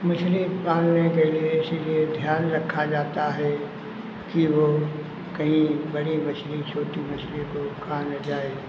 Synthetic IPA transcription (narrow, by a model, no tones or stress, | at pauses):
mʊʃlipaːlnekelieɪsilied̪ʱjaːnɾɐkʰːad͡ʒaːt̪aɦɛ | kiʋo | kɐɦĩbɐɽimʊʃlit͡ʃʰoːʈ̪imɐʃlikokʰaːnd͡ʒaːe